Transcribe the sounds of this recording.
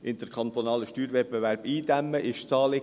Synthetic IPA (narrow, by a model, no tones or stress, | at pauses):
ʔɪnd̪̥əɾkʰχɑnt̪onɑːləʃtyːɾvɛpbeʋæɾbiːd̪æmːəʔɪʃt͡sɑːlɪ